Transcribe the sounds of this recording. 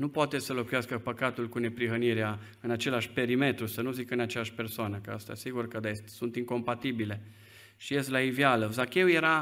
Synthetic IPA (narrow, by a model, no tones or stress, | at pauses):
nupoat̪esəlo̞kujaskəpəkat̪ulkune̞pɾiɦəniɾea | ɨnat͡ʃe̞laʃʲpe̞ɾime̞t̪ɾusənuzikɨnat͡ʃeaʃʲpe̞rsoanəkəast̪a̰siɡurkəd̪aest̪sunt̪iŋko̞mpat̪ibile̞ | ʃijest̪laivjaləzakʲe̞uje̞ɾa